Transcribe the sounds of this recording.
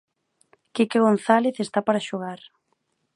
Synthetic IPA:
kekɪɣ̞onθaleθest̪apaɾaʃoɣaɾ

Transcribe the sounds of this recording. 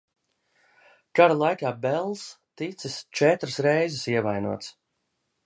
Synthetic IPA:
kaɾalˠajkaːbɛlˠst̪it̪sist͡ʃɛt̪ɾɨsɾɛjzɪsiɛvajnuɔt̪s

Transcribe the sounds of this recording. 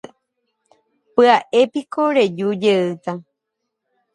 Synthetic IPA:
pɨaʔepikoɾed͡ʒud͡ʒeɨt̪a

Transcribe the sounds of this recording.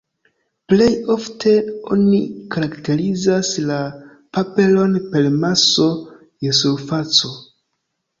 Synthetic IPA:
ple̞jo̞ftʰe̞o̞̰nikaɾakte̞ɾizasla | pape̞lo̞npe̞lmaso̞ | jesuɾfat͡so

